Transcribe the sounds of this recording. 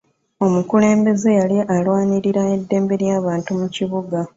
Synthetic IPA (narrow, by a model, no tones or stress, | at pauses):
o̞mukule̞ːmbe̞ze̞jaliʔalwaːniɾiɾae̞dːe̞ːmbe̞ɾjaːβaːntumuciβuɡa